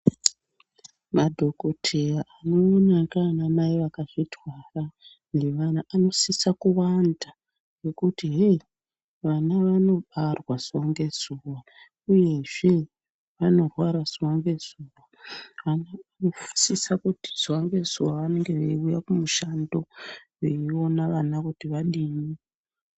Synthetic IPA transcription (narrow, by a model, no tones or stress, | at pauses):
madʱo̞kotʰejaʔano̞ːnakanamajeʋakaʐitwara | neʋanaʔano̞sisakuwanda | we̞kutiɦe | ʋanaʋano̞ɓarwaz̥uwaŋɡe̞zuwa | uje̞ʐe̞ | ʋano̞rwaɾaz̥uwaŋɡe̞zuwaʋanaanofu̥sisakuti̥z̥uwaŋɡe̞zuwaʋane̞ŋɡe̞ʋeiujakumuʃando̞ʋeio̞naʋanakutiʋaɗimi